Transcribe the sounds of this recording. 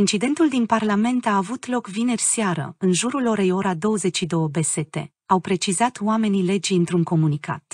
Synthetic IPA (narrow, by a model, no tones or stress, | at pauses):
int͡ʃid̪e̞nt̪uld̪inparlame̞nt̪aːvut̪lo̞kvine̞rʲseaɾə̰ɨnʒuɾulo̞ɾe̞jo̞ɾad̪o̞wəze̞t͡ʃʲʃid̪o̞wəbe̞se̞t̪e̞̰ | awpɾe̞t͡ʃizat̪wame̞nile̞d͡ʒijɨnt̪ɾuŋko̞munikʰa̰t̪